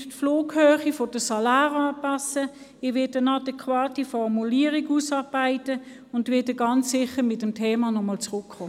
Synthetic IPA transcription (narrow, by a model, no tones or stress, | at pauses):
tfloːkhøːχifod̥əsɑlaːʁɑːpɑsə | ɪʋɪtənɑdɛkʰwaːtifɔʁmuliːəʁiɡusɑʁb̥aɪtə | ʊndʋɪdəɡɑnt͡sːɪχəmɪtəmtʰeːmɑnɔmɔlt͡sʁʊkːoː